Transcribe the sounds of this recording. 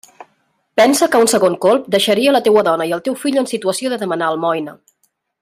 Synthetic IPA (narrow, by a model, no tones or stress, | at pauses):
pɛnsəkəunsəɣoŋkolˠp̚d̪əʃəɾiələt̪ewəðɔnəiəlˠt̪ewfiʎənsit̪uəsioðəðəmənaəlˠmɔjnə